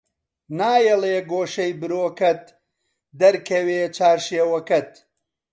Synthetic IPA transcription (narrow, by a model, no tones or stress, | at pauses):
naːjeleːɡoːʃɐjbɨɾoːkɐt̪̚ | d̪ɐɾkʰɐweːt͡ʃaːɾʃeːwɐkɐt̪̚